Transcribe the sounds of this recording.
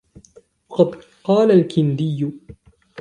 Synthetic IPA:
wɑqɑd̪ | qɑːlalkɪnd̪ɪjːʊ

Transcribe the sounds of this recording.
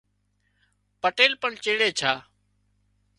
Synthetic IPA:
pəʈeːlpəɳt͡ʃeːɽeːt͡ʃʰaː

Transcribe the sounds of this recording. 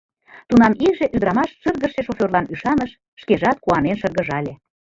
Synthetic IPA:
t̪unɑmikʒe̽ʔyd̪ɾɑmɑʃʃɤrɣəʃeʃofʲerlɑnyʃɑnəʃːkeʒɑt̪̚kuɑnenʃɤrɣə̆ʒɑlʲe

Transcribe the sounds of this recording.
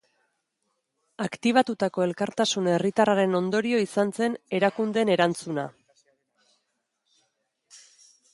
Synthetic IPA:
akt̪iβ̞at̪ut̪ako̞e̞lkaɾt̪asune̞rit̪araɾe̞no̞nd̪o̞ɾio̞isant͡se̞ne̞ɾakund̪e̞ne̞ɾant͡suna̰

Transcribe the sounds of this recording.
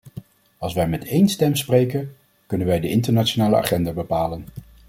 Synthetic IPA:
ɑlˠsʋɛjmɛtʰejnstɛmsprejkən | kɵnənʋɛjdəʔɪntəɹnat͡ʃonaːləʔa̰ːχɛndaːbəpaːlən

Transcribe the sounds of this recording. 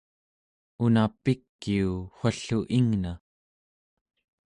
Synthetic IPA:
unapikːiuxʷaɬuʔiŋna

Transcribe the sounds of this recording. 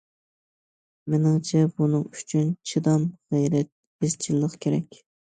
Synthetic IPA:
menɪŋt͡ʃʰɛbunɨŋy̥t͡ʃʰynt͡ʃʰid̪ɑmʁɛjɾɛt̪̚ | bɪz̥t͡ʃʰilˠːəqkʲʰeɾɛ̰kʲ

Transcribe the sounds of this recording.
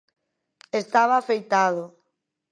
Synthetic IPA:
est̪aβaːfejt̪aðʊ

